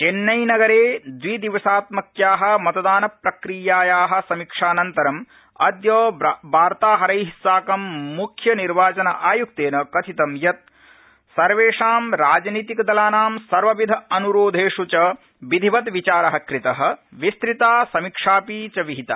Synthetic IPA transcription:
t͡ʃenːɐjnɐɡɐɾeːd̪ʋiːd̪iʋɐsaːt̪mɐkjaːɦɐ̆mɐt̪ɐd̪aːnɐpɾɐkɾijaːjaːɦɐ̆sɐmikʂaːnɐnt̪ɐɾɐm | ɐd̪joːbaːɾt̪aːɦɐɾɐjɦisaːkɐmːukʰjɐniɾʋaːt͡ʃɐnɐʔaːjukt̪eːnɐkɐt̪ʰit̪ɐmjɐt̪̚ | sɐɾʋeːʂaːmɾaːd͡ʒniːt̪ikɐd̪ɐlaːnaːmsɐɾʋɐʋid̪ʱɐɐnuɾoːd̪ʱeːʂut͡ʃɐ | ʋid̪ʱiʋɐt̪ʋit͡ʃaːɾɐɦɐkɾit̪ɐɦɐ̆ʋist̪ɾit̪aːsɐmikʂaːpiːt͡ʃɐʋiɦit̪a̰

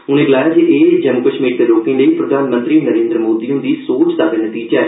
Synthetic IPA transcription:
ʊnẽːɡəlaːjaːd͡ʒeʔeːd͡ʒəmuːkəʃmiːɾd̪eːloːkĩːləiːpɾəd̪ʱaːnmə̃nt̪ɾiːnəɾẽːnd̪ɾəmoːd̪iːʊ̃nd̪iːsoːt͡ʃd̪aːbenət̪iːd͡ʒaɛː

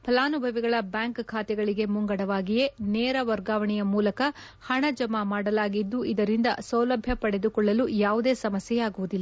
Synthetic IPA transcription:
pʰɐlaːnubʱɐʋiɡɐɭɐbjaːŋkkʰaːt̪ɛɡɐɭiɡe̞muŋɡɐɽɐʋaːɡije̞nɛːɾɐʋɐɾɡaːʋɐɳijɐmuːlɐkɐ | hɐɳɐd͡ʒɐmamaːɽɐlaːɡid̪ːuʔid̪ɐɾind̪ɐ̰sɐwlɐbʱjɐpɐɽe̞d̪ukɔɭːɐlujaːʋud̪e̞ːsɐmɐsjɛjaːɡuʋud̪ilːɐ

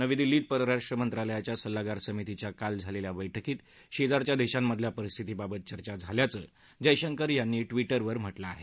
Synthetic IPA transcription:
nəʋid̪ilːiːt̪̚pəɾəɾaʂʈɾəmənt̪ɾaləjat͡ɕjasəlːaɡaɾsəmit̪it͡ɕjakald͡zʱaleljaʋəjʈʰəkiːt̪ | ɕed͡zaɾt͡ɕjad̪eɕamːəd̪ʱljapəɾist̪ʰit̪iːbabət̪̚t͡ɕəɾt͡ɕad͡zʱaljat͡sə̰ː | d͡ʑəjɕəŋkəɾjanːiːʈʋiʈəɾʋəɾm̤əʈlaːɦe

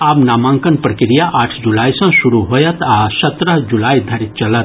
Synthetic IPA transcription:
aːbnaːmãːŋkənpɾəkɾijaʔaːʈʰd͡ʒulaːisɐ̃suɾuɦoːjɐt̪ʰaːsɐt̪ɾəd͡ʒulaːid̪ʱɐɾit̪̚t͡ʃɐlət̪̚

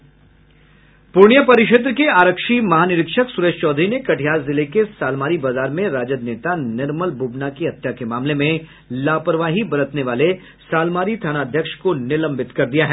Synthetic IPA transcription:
pʊɾɳ̃ijəpɐɾɪʃ̬ət̪̬ɾəkeaːɾəkʃimɐɦaːnɪɾɪkʃəksuɾeːʃt͡ʃɔːd̪ʱɾinekɐʈʰijaːzzɪlekesaːlmaːɾibaːzaːɾmẽɾaːd͡ʒəd̪neːt̪anɪɾməlbʱubnakiɦɐt̪ːjakemaːmlemẽ | laːpəɾʋaːɦibɐɾət̪neʋaːle | saːlmaːɾit̪ʰaːnaːd̪ʱjəkʃkonɪlə̃mbʱɪt̪kɐɾd̪ijaɦɛː

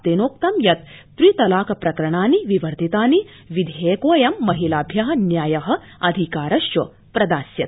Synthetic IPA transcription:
t̪eːnoːk̚t̪ɐmjɐt̪ː | ɾit̪ɐlaːkɐpɾɐkɾɐɳaːniʋiʋɐɾt̪it̪aːni | ʋid̪ʱeːkoːjɐmːɐɦilaːbʱjɐɦɐ̆njaːjɐɦɐ̆ | ɐd̪ʱikaːɾɐʃjɐ | pɾɐd̪aːsjɐt̪̚

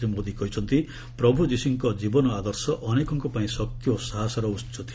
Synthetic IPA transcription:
imod̪ikɔɦit͡ʃʰɔnt̪i | pɾɔbʱud͡ʒisiŋkɔd͡ʒibɔnɔad̪ɔɾsɔʔɔnekɔŋkɔpaĩsɔk̚t̪ʰjɔsaɦasɔɾɔust͡ʃɔt̪ʰi

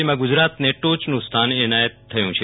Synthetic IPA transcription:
imãɡud͡ʒɾat̪neʈot͡ʃnũst̪ʰanenajət̪ʰːəjṵ̃t͡ʃʰe

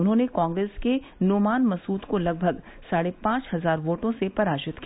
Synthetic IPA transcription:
ʊnɦõːnekãːŋɡɾeːske | noːmaːnmɐsuːt̪kolɐɡ̚bʱɐɡ | saːɽepãːt͡ʃhɐzaːɾʋoːʈõsepɐɾaːd͡ʒɪt̪ki

